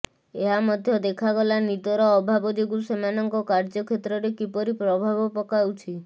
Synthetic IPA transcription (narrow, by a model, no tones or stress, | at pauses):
eɦamɔd̪ʱjɔd̪ekʰaɡɔlanid̪ɔɾɔːbʱabɔd͡ʒ̪eɡusemanɔŋkɔkaɾd͡ʒɔkʰet̪ɾɔɾekipɔɾipɾɔbʱabɔpɔkawt͡ʃʰi